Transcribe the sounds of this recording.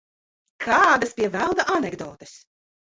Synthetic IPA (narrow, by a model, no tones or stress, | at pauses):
kʰaːd̪aspʲiɛvælˠd̪aʔanʲɛɡd̪ɔ̰ːt̪ɨ̥s